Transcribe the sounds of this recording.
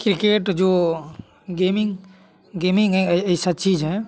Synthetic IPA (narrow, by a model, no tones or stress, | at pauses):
kɾikeːʈd͡ʒoː | ɡemɪŋ | ɡemɪ̃ŋɡɦɛieisat̪̚t͡ʃiːd͡ʒɦɛ